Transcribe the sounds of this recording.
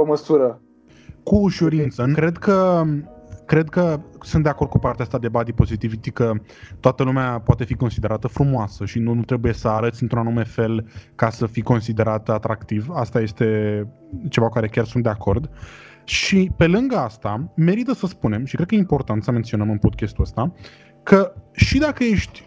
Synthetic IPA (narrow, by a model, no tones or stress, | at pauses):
oməsuɾə | kuːʃuɾint̪səkɾe̞d̪kə | kɾe̞d̪kəsund̪e̞ako̞rd̪̚kupart̪east̪ad̪e̞bad̪ipo̞zit̪ivit̪ikə | t̪oat̪əlumeapoat̪e̞fiko̞nsid̪e̞ɾat̪əfɾumoasəʃinuut̪ɾe̞buje̞səaɾət̪sʲɨnt̪ɾunanume̞fe̞lkasəfiko̞nsid̪e̞ɾat̪əat̪ɾakt̪ivast̪aje̞st̪e̞ | t͡ʃe̞vakaɾe̞kʲarsund̪e̞akʰo̞rd̪ | ʃipe̞lɨŋɡəast̪ame̞ɾit̪əsəspune̞mʃikɾed̪kəjeimpo̞rt̪ant̪səment̪sio̞nəmɨnpo̞d̪̚kʲest̪uəst̪a | kəʃid̪akəje̞ʃt̪ʲ